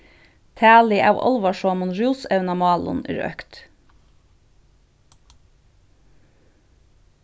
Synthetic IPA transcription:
t̪ʰæːlɪʔɑ̰ʋʔɑ̰lʋɑʃoɑmʊnɾuːsæʉnɑmɑːlʊ̰nḭːɾœ̰kt̪

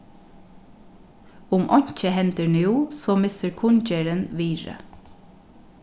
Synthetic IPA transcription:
ʊmʔɔɲ̥c͡çəhɛnt̪ənjuːsoːmɪsəɹkʰʊnceːɾənʋiːɹə̰

